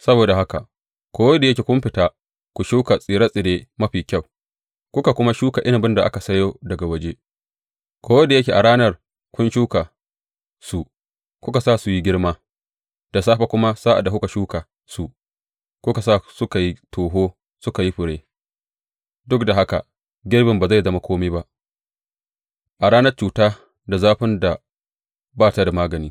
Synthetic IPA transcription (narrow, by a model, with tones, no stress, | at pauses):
sɐ˦boː˨da˨ɦa˦ka˨ | kʷoː˦wɐ˦da˨jɐ˦kʲe˨kʷʊ˦mɸɪ˨taː˦˨ | kʷu˨ʃuː˦ka˨sʼiː˨ɽa˦sʼɪ˨deː˦mɐ˦ɸiː˨kʲa˦˨w | kʷʊ˦ka˨kʷʊ˦ma˦ʃuː˦ka˨ʔɪ˦na˨bɪ˦nda˨ʔa̰˦ka˨sɐ˦joː˦dɐ˨ɡa˨wɐ˦d͡ʒe˦ | kʷoː˦wɐ˦da˨jɐ˦kʲeː˨ʔa˨ɽaː˦nɐ˦˨r | kʷʊ˦nʃuː˦ka˨ | su˨ | kʷʊ˦ka˨sa˦su˨ji˦ɡʲɪ˦ɽmaː˦ | d̥a˨saː˦ɸa˦kʷʊ˦ma˦saː˦ʔa̰˨da˨hʊ˦ka˨ʃuː˦ka˨ | su˨ | kʷʊ˦ka˨sa˦˨sʊ˦ka˨ji˦tʰoː˨ɦoː˦ | sʊ˦ka˨ji˦ɸʊ˨ɽeː˦ | dʊ˦kda˨ɦa˦ka̰˨ | ɡʲɪ˦rbɪ˨mba˨za˦˨jzɐ˦ma˦kʰʷoː˦meː˦ba˦ʔ | ʔa˨ɽaː˦nɐ˦rt͡ʃuː˨taː˦ | da˨zaː˦ɸɪ˦nda˨ | baː˦˨ta˦da˨maː˦ɡɐ˨niː˦